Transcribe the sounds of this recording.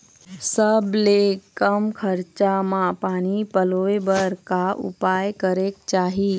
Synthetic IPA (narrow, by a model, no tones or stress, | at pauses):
səblekəmkʰəɾt͡ʃamãpaːñipəlojbəɾkaʔṵpaːjkəɾek̚t͡ʃaːɦi